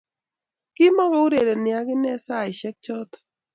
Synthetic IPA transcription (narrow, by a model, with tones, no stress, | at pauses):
kɪ˦mɔ˦ɡɔ˨˦u˦ɾe˨ɾe˨nɪ˨a˦ɡɪ˦nɛ˦sa˦˨ɪ˨ʃɛ˦k̚t͡ʃɔ˦t̪